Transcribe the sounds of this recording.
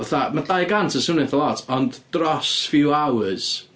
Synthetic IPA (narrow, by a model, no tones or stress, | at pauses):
aθamadajɡantʰəsʊnɨθəlˠɔtʰɔndd̥rɔsfɪwawz̥